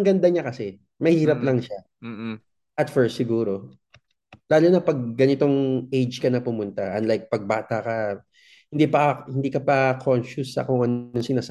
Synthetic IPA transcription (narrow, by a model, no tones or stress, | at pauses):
ŋɡɐnd̪ɐɲakɐsɛ | mɐhiːɾɐplɐŋʃa | ʔɐt̪fɛɹst̪sɪɡuːɾo̞ | laːlʊnɐpɐɡ̚ːɐnɪt̪o̞ŋejd͡ʒkɐnɐpʊmʊnt̪ɐʔɐnlajk̚pɐɡ̚baːt̪ɐkɐ | hɪnd̪iːpɐhɪnd̪iːkɐpɐkʰonʃʊsɐ̰kʊŋɐnosɪnaːs